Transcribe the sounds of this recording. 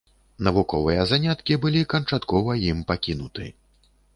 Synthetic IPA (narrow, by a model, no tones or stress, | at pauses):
nɐvukɔvɨjɐzanʲat̪kʲibɨlʲikɐnt͡ʂat̪kɔvɐjimpakʲinut̪ɨ̰